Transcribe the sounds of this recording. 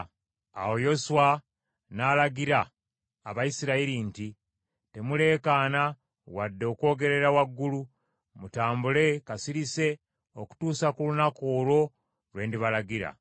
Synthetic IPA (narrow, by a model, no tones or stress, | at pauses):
a̰wo̞jo̞suwa | naːlaɡiɾaː | βajisiɾaiɾinti | te̞mule̞ːkaːna | wadːo̞ːko̞ːɡe̞ɾe̞ɾawaɡːulu | mutaːmbule̞kasiɾise̞ | o̞ku̥tuːsakulunakoːlo̞ | lwe̞ːndiβalaɡiɾa̰